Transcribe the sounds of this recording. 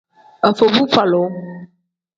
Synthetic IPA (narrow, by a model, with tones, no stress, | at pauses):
e˨fo˨vu˦fa˨lo˨˦